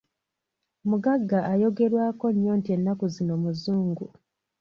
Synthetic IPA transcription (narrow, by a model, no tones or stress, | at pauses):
muɡaɡːaʔajo̞ɡe̞ɾwaːko̞ɲjoːntie̞nːakuzino̞muzuːŋɡu